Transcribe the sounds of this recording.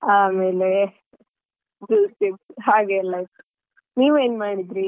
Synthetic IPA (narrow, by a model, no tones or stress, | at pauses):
aːmeːle | ɖuːsʈikshaːɡelajt̪u̥ | niːʋueːnmaːɽid̪ɾi